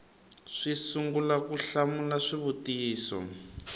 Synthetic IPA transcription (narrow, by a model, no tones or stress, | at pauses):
ʂisuŋɡulakuɬamulaʂiβutijiːsɔ̰